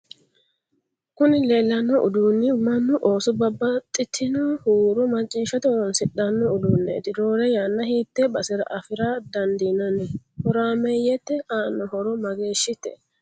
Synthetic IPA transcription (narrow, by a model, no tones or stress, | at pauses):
kʊnɪleːlːɐnːɔʔʊd̪uːnːɪmɐnːʊʔoːsʊbɐbːɐt̪ʼːɪt̪ʰːɪnɐhuːɾʊmɐt͡ʃʼːiːʃɐt̪ɛwɔnsɪɗɐnːɔʊd̪unːḛːt̪ɪd̪oːɾɛjanːɐhiːt̪ːɛbɐsɪɾɐ̰ʔɐfɪɾad̪ɐnd̪ɪnɐnɛhɔɾaːmɛjɛt̪ːɛhaːnːɔhɔɾɔmɐɡeːʃːɪt̪ːɛ̰